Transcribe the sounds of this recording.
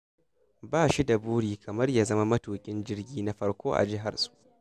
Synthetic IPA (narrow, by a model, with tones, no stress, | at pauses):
baː˦ʃi˦da˨buː˦ɽiː˨kʰɐ˨mɐ˦rjaː˦zɐ˦ma˦mɐ˦tuː˨kʲʼɪ˦nd͡ʒɪ˦rɡʲiː˦na˦ɸɐ˦ɽkʷoː˦ʔa̰˨d͡ʒɪ˦ɦa˨rsʼu̥˦ʔ